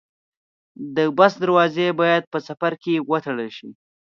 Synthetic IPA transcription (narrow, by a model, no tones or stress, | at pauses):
d̪əbasd̪aɾwɑzebɑjad̪̚pəsafaɾkewət̪aɽəlʃi